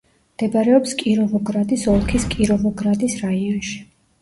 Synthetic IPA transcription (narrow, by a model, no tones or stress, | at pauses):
md̪̥ɛbaɾɛɔpskʼiɾɔvɔɡɾad̪isɔlˠkʰiskʼiɾɔvɔɡɾad̪isɾaiɔnʃi̥